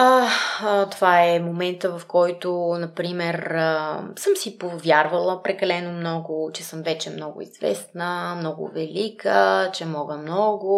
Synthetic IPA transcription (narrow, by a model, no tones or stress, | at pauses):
a | t̪ovaɛmomɛnt̪əvɐfkɔjt̪onɐpɾimɛrəsəmsipovʲjaɾvɐlˠəpɾɛkɐlɛnomnɔɡʊt͡ʃɛsəmvɛt͡ʃɛmnɔɡʊ̰ḭzvɛ̰snəmnɔɡʊ̰vɛlikət͡ʃɛmɔɡəmnɔɡʊ